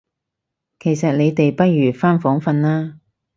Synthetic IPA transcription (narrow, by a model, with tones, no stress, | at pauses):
kʰe˨˩jsɐ˨t̚le˨˧jt̪e˨jpɐ˥t̚jyː˨˩faː˥nfɔː˨˥ŋfɐ˧nlaː˥